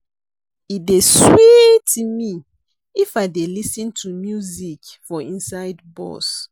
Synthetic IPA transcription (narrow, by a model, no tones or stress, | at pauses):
it̚deswitʰumi | ifaɪdelisə̃ntʰumjuzikfɔĩnsaɪdbɔ̰s